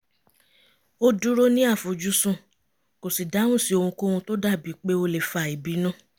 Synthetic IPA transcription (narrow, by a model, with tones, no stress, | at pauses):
o˦du˦ɾo˦nĩ˦a˦˨fo˨d͡ʒu˦sũ˦ | ko˨si˨da˨˦w̃ũ˦˨si˦o˧hũ˧ko˦hũ˧to˦da˦˨bi˨˦k͡pe˦o˧le˨fa˧˨i˨bi˨˦nũ˦